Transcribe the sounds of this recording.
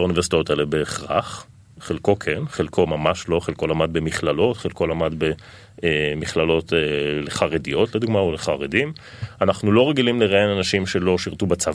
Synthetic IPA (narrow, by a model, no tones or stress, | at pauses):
aunivesit̪ajotaelebeːχʁa̰χ | χelko̞kʰenχelkʰo̞mamaʃlo̞χelko̞lamad̪̚bemiχlalo̞t̪χelko̞lamad̪be | miχlalo̞teleχaʁedijo̞tled̪uɡmaoleχaʁedim | anaχnulo̞ʁeɡilimleʁaenanaʃimʃe̞lo̞ʃiʁt̪ubat͡sav